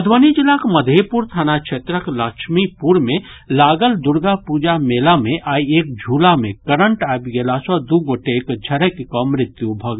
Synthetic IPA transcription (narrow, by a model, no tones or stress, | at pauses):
ɐd̪ʱʋənid͡ʒɪlakməd̪ʱepuːɾt̪ʰaːnakt͡ʃʰeːt̪ɾəklaːkʃmipuɾmẽ | laːɡəld̪ʊɾɡapuːd͡ʒameːlamẽʔaːieːk̚d͡ʒʱuːlamẽkəɾəɳʈaːbɡelasɔd̪uɡoːʈekd͡ʒʱɐɾəkkomɾɪt̪jubʱɐɡ